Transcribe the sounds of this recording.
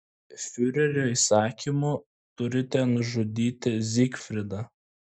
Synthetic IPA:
fʲʊɾʲɛɾʲoːiːsɑːkʲimʊ | t̪ʊɾʲɪt̪ʲɛnʊʒʊd̪ʲiːt̪ʲɪzʲikfʲɾʲɪd̪ɐ

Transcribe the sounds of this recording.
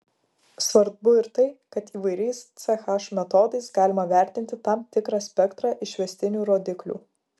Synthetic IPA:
sʋɐɾd̪bʊɪɾt̪ɐɪkɐt̪iːʋɐɪɾʲɛɪst̪sʲɛxɑʃmʲɛt̪ɔːd̪ɐɪsɡɑːlʲɪmɐʋʲæˑɾʲt̪ʲɪnʲt̪ʲɪt̪ɑmt̪ʲɪkɾɑːsʲpʲɛkt̪ɾɑʔɪʃʲʋʲɛsʲt̪ʲɪnʲuːɾoːd̪ʲɪklʲṵː

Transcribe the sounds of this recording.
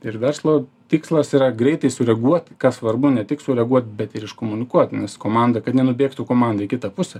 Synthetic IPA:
ɪɾʋʲɛrslˠoː | t̪ʲiːkslˠɐsiːɾɐɡɾʲɛɪt̪ɐɪsʊɾʲɛɡuɔt̪ʲkɐsʋɐrbʊnʲɛt̪ʲɪksʊɾʲɛɡuɔt̪̚ʲbʲɛt̪ɪɾɪʃkoːmʊnʲɪkuɔt̪nʲɛskoːmɑnd̪ɐkɐt̪nʲɛnʊbʲeːkt̪ʊkoːmɑnd̪ɐikʲɪt̪ɐpʊsʲɛ

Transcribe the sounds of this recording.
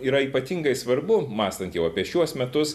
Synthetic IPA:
iːɾɐiːpɐt̪ʲiŋɡɐɪsʋɐɾbʊmɑːst̪ɐnt̪jɛʊɐpʲiɛʃʲuɔsmʲɛt̪ʊs

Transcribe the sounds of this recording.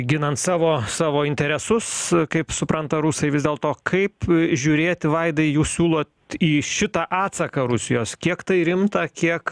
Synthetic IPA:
ɡʲɪnɐnt̪sɑːʋoːsɑːʋoːɪnʲt̪ʲɛɾʲɛsʊskɐɪpsʊpɾɐnt̪ɐɾusɐɪʋʲɪzd̪ʲeːlˠt̪oːkʰɐɪpʒʲuɾʲeːt̪ʲʋɐɪd̪ɐɪjuːssʲuːlˠoːt̪ | iːʃʲɪt̪ɑʔɑːt̪sɐkɐɾʊsʲɪjoːskʲiɛkt̪ɐɪɾʲɪmt̪ɐkʲiɛk

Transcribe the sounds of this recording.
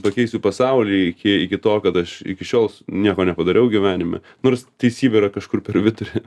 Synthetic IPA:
pɐkʲɛɪsʲupɐsɐʊlʲiːɪkʲɪɪkʲɪt̪oːkɐt̪ɐʃɪ̰kʲɪʃʲoːlˠsnʲiɛkoːnʲɛpɐd̪ɐɾʲɛʊɡʲɪʋʲæːnʲɪmʲɛ̰ | noːrst̪ɐɪsʲiːbʲɛɾɐkɐʃkʊrpʲɛɾʋʲɪt̪ʊɾʲɛ

